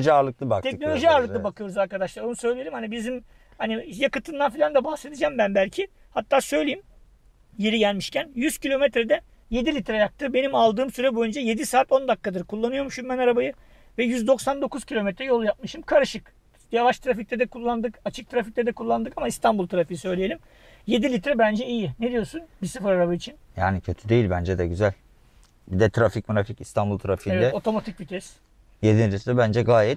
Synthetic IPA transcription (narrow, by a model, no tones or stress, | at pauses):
ʒiaːɾlˠɯk̚lˠɯba̰kt̪ʰɛcno̞lʲo̞ʒiaːɾlˠɯklˠɯbakʰɯjoɾuzaɾkad̪aʃlˠaɾonusø̞jlʲijeɾʲimhanibizim | hanijakɯt̪ʰɯnd̪anfilʲand̪abahse̞d̪id͡ʒambænbælʲcʰi | hat̪ʰːaːsø̞jlʲejim | jeɾiɟælʲmiʃcʰænjyz̥cʰilʲo̞mɛt̪ɾɛd̪ɛ | je̞d̪ilʲit̪ɾajak̚t̪ʰɯbe̞nimalˠd̪ɯːmsyɾɛbojynd͡ʒɛje̞d̪isaːt̪o̞nd̪akːad̪ɯɾkʰulˠːanɯjo̞mʃymɛnaɾabajɯ | vɛjyzd̪o̞ksand̪o̞kʰuz̥cʰilʲo̞mɛt̪ɾɛjolˠujap̚mɯʃɯmkʰaɾɯʃɯk | javaʃt̪ʰɯɾafic̚t̪ʰɛd̪ɛkʰulˠːand̪ɯkat͡ʃʰɯk̚t̪ʰɯɾafic̚t̪ɛd̪ɛkʰulˠːand̪ɯkamaist̪ʰanbulˠt̪ɯɾafɯjɯsø̞jlʲeije̞lʲim | je̞d̪ilʲit̪ɾɛbænd͡ʒɛijined̪ijo̞sunbisɯfɯɾaɾabait͡ʃʰinjaːnicʰøt̪ʰyd̪e̞jilʲbænd͡ʒɛd̪ɛɟyzælʲ | bid̪ɛt̪ʰɾafic̚muɾaficist̪ʰanbulˠt̪ʰɾafieɛd̪ɛo̞t̪ʰo̞mat̪ʰic̚bit̪ʰɛs | jed̪inʲt̪ʰɛsd̪ɛbænd͡ʒɛɡaːjɛt̪̚